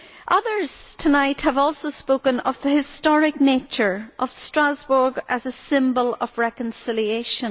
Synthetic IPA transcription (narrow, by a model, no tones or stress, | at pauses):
ʔʌðə˞z̥tʰənaɪʔhəvɔlˠsoʊspokə̃nəvðəhɪstɔɹɪk̚net͡ʃə˞ʔəv̥stɹ̥azbə˞ɡəzəsɪ̃mbəlˠəvɹɛkə̃nsɪlˠieʃə̃